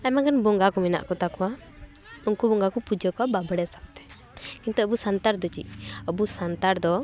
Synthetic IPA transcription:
amaɡanbɔŋɡakɔmɛna̰ʔkɔt̪akɔwa | unkubɔŋɡakɔpud͡ʒəkababɽɛsapt̪ɛ̥ | kint̪ɔɔbusant̪aɾd̪ɔt͡ʃḭɔbusant̪aɾd̪ɔ

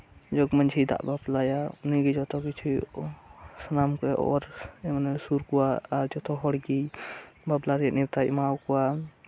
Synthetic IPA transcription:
d͡ʒɔɡmənd͡ʒʰʱid̪a̰ʔbablajaniɡid͡ʒɔt̪ɔkit͡ʃʰu | sənamkeɔ̰ɾmənesuɾkuaaɾd͡ʒɔt̪ʰɔɦɔɽɡibablaɾijaniɾt̪aḭmawkua

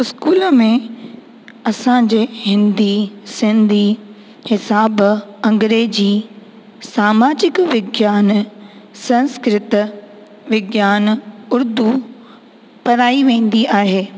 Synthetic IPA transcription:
ɪskuːlmẽ | ɐsãd͡ʑeːhɪ̃nd̪isɪ̃nd̪ʱi | hɪsaːbɐ̃ŋɡɾeːd͡ʑiː | saːmaːd͡ʑɪkʋɪɡjaːnsɐ̃nskɾɪt̪ | ʋɪɡjaːnʊɾd̪u | pɐɾaːiʋẽːn̆d̪iaːɦeː

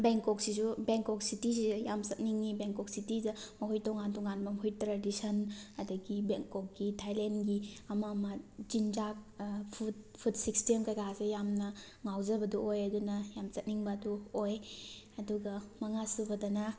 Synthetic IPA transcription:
beŋkɔksisubeŋkɔk̚sitisijamsɐt̚niŋːibeŋkɔk̚sitizɐmɐɦojtɔŋantɔŋanbɐmhujtɾadisɐnɐdɐɡibeŋkɔk̚ɡitʰajlenɡiɐmɐmɐd͡ʒind͡ʒak̚pʰut̚pʰudsikstemkajkʰasejamnɐ | ŋawzɐbɐduojɐdunɐjamt͡ʃɐt̚niŋbɐːduoj | ɐduɡɐmɐŋasubɐdɐnɐ

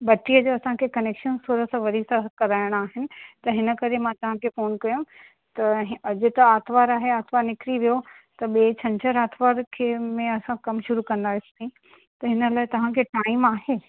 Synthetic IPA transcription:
bɐʈːijəd͡ʑoɐsãkʰekɐneːkʃənsuːɾəsãʋɐɾisãkɐɾaːɪɽ̃aːɦɪnɪ̆t̪ɐɦɪnə̆kɐɾemãt̪ɐʋ̤ãkʰefoːnkɐjũ | t̪ɐɦɐd͡ʑʊ̆t̪ɐaːt̪ʰʋaːɾaːɦeaːt̪ʰʋaːɾnɪkɾiʋijo | t̪ɐɓeːt͡ɕʰɐ̃ɲt͡ɕʰəɾaːt̪ʰʋaːɾkʰeːmẽɐsãkɐmʃʊɾukɐ̃nd̪aːɪst̪aĩ | t̪ɐɦɪnə̆laːɪt̪ɐʋ̤ãkʰeʈaːɪmaːɦeː

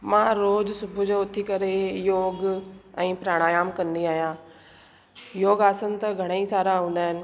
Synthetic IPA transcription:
mãɾoːzsʊbʱʊd͡ʑoːʊt̪ʰikɐɾejoːɡɛ̃ːpɾaːɽ̃aːjaːmkɐ̃nd̪iaːɦijãː | joːɡaːsən̆t̪ɐɡʱɐɽ̃aisaːɾaɦũːn̆d̪aːɦɪnɪ̆

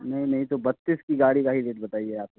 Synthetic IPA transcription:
nɐɦĩnɐɦĩt̪obɐt̪ːiːskiɡaːɽikaːɦid̪eːʈ̚bɐt̪aːieaːp̚ko

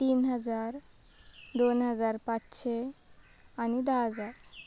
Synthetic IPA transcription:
t̪iːnɦəd͡zaɾ | d̪onɦəd͡zaɾpat͡sɕe | añid̪aɦəd͡zaɾ

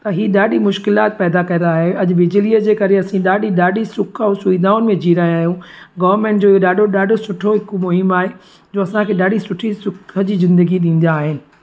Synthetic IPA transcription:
t̪ɐɦiːɗaːɗimʊʃkɪlaːt̪̚pɛːd̪akɐːnaːɦeɐʄʋɪd͡ʑɪliəd͡ʑeːkɐɾeɐsĩɗaːɗiɗaːɗisʊkʰəʊsʊid̪aːʊnɪmẽd͡ʑiːɾaːjaːɦijũɡɐʋəɾmẽːɳʈd͡ʑoːɦoɗaːɖʱoɗaːɖʱosʊʈʰoɦɪkmʊɦɪmaːɦe | d͡ʑoːɐsãkʰeːɗaːɖisʊʈʰisʊkʰəd͡ʑiːzɪ̃nd̪əɡiɗĩːn̆d̪aːɦɪnɪ̆

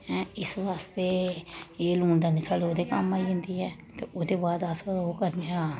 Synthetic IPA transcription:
ɛ̃ɪsʋaːst̪eːeːluːɳd̪aːnɪsaːloːd̪eːkəmːaːiːɦɪ̃nd̪iːɦɛː | t̪eːʔoːd̪eːbaːd̪aːsaɾoːkəɾneaː

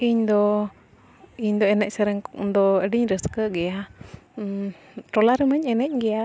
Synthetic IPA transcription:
ʔiɲd̪ɔ | iɲd̪ɔɛnɛc̚sɛɾɛŋkʔd̪ɔəɖiɲɾəskəʔɡɛa | ʈɔlaɾəməɲɛnɛc̚ˀɡɛja

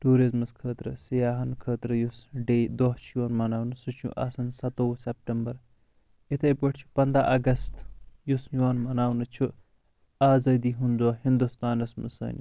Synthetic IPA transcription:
ʈuːɾizmɨskʰəːt̪ɾɨsijaːɦɐnkʰəːt̪ɾɨjusɖeːd̪oɦt͡ʃʰijɐnmɐnaːwnɨsɨt͡ʃʰṵʔɐ̰sɐnsɐt̪oːsep̚ʈɐmbɐɾ | it̪ʰɐjpɐʈʰt͡ʃʰu̥pɐnd̪ɾaʔɐɡɐst̪jusjaːnmɐnaːwnɨt͡ʃʰu | aːzɐːd̪iːɦund̪oːɦind̪ust̪aːnɐsmɨ̰sɐ̰ːnʲ

